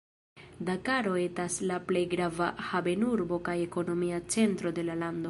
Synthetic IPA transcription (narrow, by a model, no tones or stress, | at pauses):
dakaɾo̞e̞taslaple̞jɡɾavahabe̞nuɾbo̞kaje̞ko̞no̞miat͡se̞ntɾode̞lalando̞